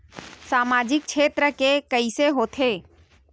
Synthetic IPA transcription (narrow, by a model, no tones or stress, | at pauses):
saːmaːd͡ʒɪk̚t͡ʃʰeːt̪ɾəkekəiseɦoːt̪ʰeː